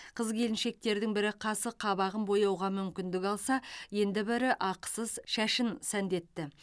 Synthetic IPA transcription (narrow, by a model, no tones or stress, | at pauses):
qʰəzkʲʰe̞lɪnʃe̞k̚t̪e̞ɾd̪ɪŋbɪɾɪqʰɑsəqʰɑbɑʁənbo̞jɑwʁɑmʏmkʲɪnd̪ɪkɑlˠsɑje̞nd̪ɪbɪɾɪʔɑqsəzʃæʃɪnsænd̪e̞t̪ːɪ